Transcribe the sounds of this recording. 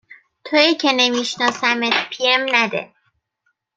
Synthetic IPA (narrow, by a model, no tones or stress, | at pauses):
t̪ʰojicʰe̞ne̞miʃnɒːsæmet̪pʰiemnæd̪ḛ